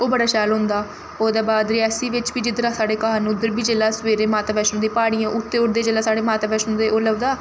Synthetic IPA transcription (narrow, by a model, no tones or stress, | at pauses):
oːbəɽaːʃɛːlɦʊ̃nd̪aː | oːd̪aːbaːd̪ɾɪaːsiːʋɪt͡ʃʋiːd͡ʒɪd̪ɾãːsaːɽeːkəɦaːnʊd̪əɾbiːd͡ʒeːlaːsʋeːɾeːmaːt̪aːbɛːʃnõːd̪iːpaːɽ̃ijãːʔʊt̪ːeːʊʈd̪eːd͡ʒeːlaːsaːɽeːmaːt̪aːbɛːʃnõːd̪eːʔoːləʋd̪aː